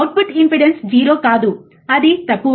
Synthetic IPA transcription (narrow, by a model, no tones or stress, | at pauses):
wʈ̚pʰuʈimpiɖensd͡ʒiːɾo̞ːkaːd̪u | ɐd̪it̪ɐkːu